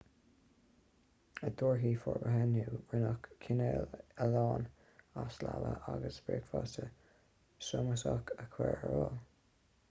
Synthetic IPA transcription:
əd̪oːɹɦiːfɔɹbəɦɛnuːɪnəkkʰːɪnɛːlɛlɑːn | aslaləʔaɡəsb̥ɹeːkfɑtə | sʊməsɑkʰəkʰwɛɹəɹol

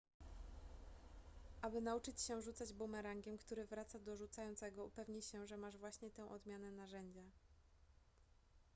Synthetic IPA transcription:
ʔabɘnaut͡ʂɘt͡ɕɕɛʐut̪sad͡ʑbumɛɾaŋɡʲɛmkt̪uɾɘvɾat̪sad̪ɔʐut̪sajɔnt̪sɛɡɔupɛvɲiɕɛʐɛmaʐvwaɕɲɛt̪ɛ̃w̃ʔɔd̪mʲjanɛnaʐɛɲd͡ʑa

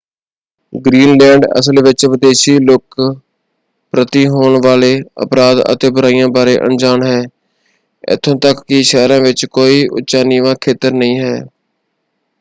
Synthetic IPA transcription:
ɡɾiːnlɛ̃ːɳɖə̰slʋɪt͡ʃʋɪd̪eːʃiːlʊk | pɾət̪iːɦoːɳʋaːleːə̰pɾaːd̪ə̰t̪eːbʊɾaːijãːbaːɾeːʔə̰nd͡ʒaːɳɦɛː | ɪ̰t̪ʰːõːt̪əkːɪʃɛːɾãːʋɪt͡ʃkoːiːʔʊ̰tːt͡ʃaːniːʋãːkʰeːt̪əɾnəɦĩːɦɛː

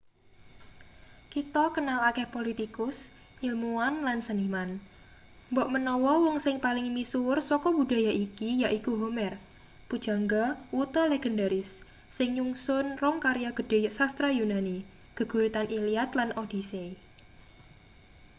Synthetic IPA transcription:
kit̪ɔkənalakɛhpolit̪ikʊs | ɲilmuanlansəniman | mbɔʔmənɔwɔwɔŋsɪŋpalɪŋmisursɔkɔbṳda̤jaʔikijaʔikuɦomɛr | pud̥ʒ̥a̤ŋɡawut̪ɔleɡ̥ɛ̤ndaɾɪsː | ɪŋɲuŋsʊnrɔŋkaɾjaɡ̥ə̤d̥e̤sast̪ɾajunani | ɡ̥ə̤ɡ̥ṳɾit̪anʔiliat̪lanʔod̥isei

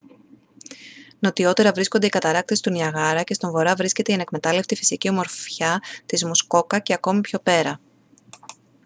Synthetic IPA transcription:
no̞t̪io̞t̪e̞ɾɐvɾiskond̪eikɐt̪ɐɾɐk̚t̪est̪unɐɣɐɾɐce̞st̪oɱvo̞ɾɐvɾisce̞t̪eiɐne̞kme̞t̪ɐle̞ft̪ifi̥sicio̞mo̞ɾfçɐt̪izmusko̞kɐceɐko̞mipço̞pe̞ɾɐ

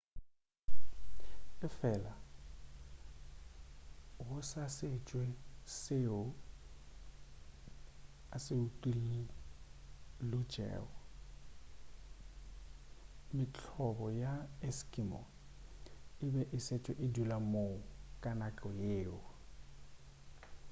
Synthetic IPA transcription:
ɪfɛla | ɦʊsasɪt͡ʃʼwɛseʊ | asɪutili | lʊ̥d͡ʒ̥ʱɛ̰ːɔ | mɪt͡ɬʰɔbɔjaɛskʼimɔ̰ | ɪbɛʔɪset͡ʃʼwɛʔɪdulamoʊkʼanat͡ɬʼɔjeːʊ

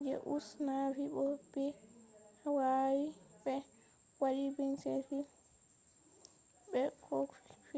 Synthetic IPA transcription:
d͡ʒɛ̰ʔusnavibɔbɛ | wawibɛ | waɗibɛnsefi | bɛkɔff

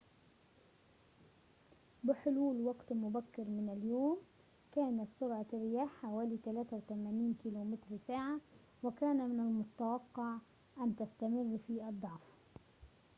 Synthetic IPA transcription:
bɪħʊluːlwɑɡt̪mʊbækːɪɾmɪnɪljoːm | kaːnat̪sʊɾʕɑɪɾɪjaːħːawæːliːt̪alæːt̪awt̪æmæːniːnkiːloːmɪt̪ɾsaːʕa | wɪkaːnmɪnalmʊt̪awɑqːɑʕ | ʔant̪ast̪amɪrːfiːʔɑd̪ˤːɑʕf

